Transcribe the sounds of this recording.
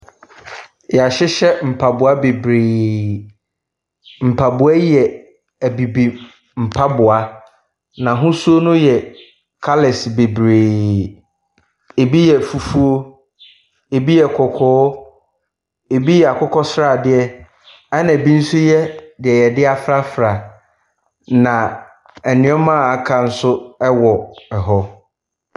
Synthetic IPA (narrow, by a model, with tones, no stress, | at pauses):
jɛ˨a˨ɕɪ˦ɕɛ˦m̩˨pʰa˨bʊ˨a˦be˨bɾeː˨ | m̩˨pʰa˨bʊ˨a˦jɛ˨ | æ˨bi˨bi˨ | m̩˨pʰa˦bʊ˨a˦ | nã˨ɦʊ̃˦su˦o˦nʊ̃˦jɛ˨ | kʰa˦lɪ˨sbe˨bɾeː˨ | e˨bi˦jɛ˨fu˨fu˦o˦ | e˨bi˦jɛ˨kʰɔ˨kʰɔː˦ | e˨bi˦jɛ˨a˨kʰɔ˦kʰɔ˦sɾa˦˨dɪ˦ɛ˦ | ɛ˦nã˨bĩ˦n̩˦sʊ˦jɛ˦dɪ˨ɛ˨jɛ˨dɪ˦a˨fɾa˦fɾa˨ | nã˨ | ɛ˨nɪ̃˨˦ɛ˦mã˦˨a˨kʰã˨n̩˦sʊ˦ɛ˦wɔ˨ɛ˨ɦɔ˦